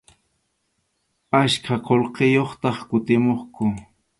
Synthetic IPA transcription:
askʰaqolqejoχt̪ɑχkʊt̪ɪmoχkʊ

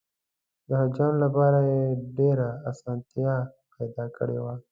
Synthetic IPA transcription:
d̪əɦad͡ʒaːnlapaːɾajeɖeɾaasãːnt̪ija | pɛjd̪aːkəɽḛwa

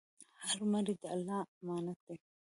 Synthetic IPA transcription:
hɐɾumɐɾid̪ɐlːaːmaːnɐt̪ːɛ

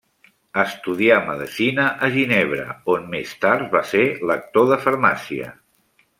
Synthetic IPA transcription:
əst̪uðiaməðəsinəʔəʒineβ̞ɾə̰onmest̪aɾt̪βaselək̚t̪oðəfəɾmasiə̰

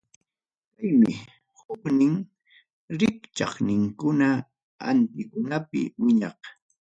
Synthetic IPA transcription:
kajmɪ | hʊknɪŋ | ɾɪkt͡ʃɑχnɪŋkʊna | a̰nt̪ɪkʊnapɪ̰wɪɲɑq

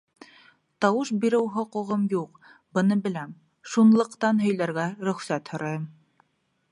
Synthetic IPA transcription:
t̪ɑwɤʃbiɾɘwɦŏqŭʁɤmjuq | bɤ̆nɤbɘ̆læm | ʃunlˠɤ̆qt̪ɑnɦɵ̆jlæɾɡæɾɵ̆χsæt̪hŏɾɑjɤm

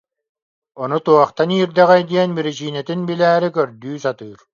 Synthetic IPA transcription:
ɔnut̪uɔχt̪aniːɾd̪ɛʁɛjd̪iɛnbiɾit͡ɕiːnɛt̪inbilæːɾikœɾd̪yːsat̪ɯːɾ

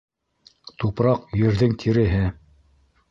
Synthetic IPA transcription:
t̪upɾɑqjɵ̆ɾðɘŋt̪ʰiɾɘ̆ɦɘ

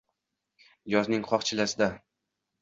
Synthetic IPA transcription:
jɒznɪŋqʰɒχt͡ʃʰɪlasɪd̪a

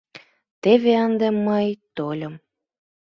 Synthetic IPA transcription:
t̪eβeənd̪emːəjt̪olʲəm

